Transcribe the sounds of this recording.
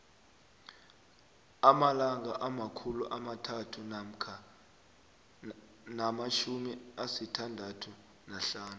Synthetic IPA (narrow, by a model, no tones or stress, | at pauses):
amalaŋaʔamakʰuluʔamatʰatʰu | namaʃumiasitʰandʱatʰu | naɬaːnu